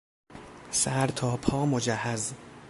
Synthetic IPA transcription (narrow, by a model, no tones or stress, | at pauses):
sæɾt̪ʰɒːpʰɒːmod͡ʒæhːæz